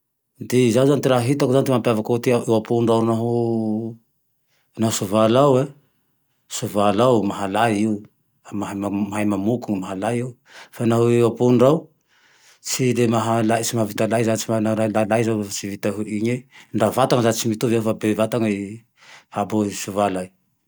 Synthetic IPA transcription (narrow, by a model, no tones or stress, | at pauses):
d̪izauzanit̪iɾaɦɦit̪akuzant̪imampiavakot̪iaʔewapuɳɖ͡ʐawnaɦu | naɦusuvalawe | suvalawmaɦalajiu | amaɦamamaɦajmamukuŋmaɦalajiu | fanaɦuewapuɳɖ͡ʐaw | t͡silemaɦalat͡ʃimavit̪alajzat͡ʃimanaalalajzawfat͡ʃivit̪aɦuʔiɲeɳɖ͡ʐavat̪aŋəzat͡ʃimit̪uviawfabevat̪aŋai | habosuvalaj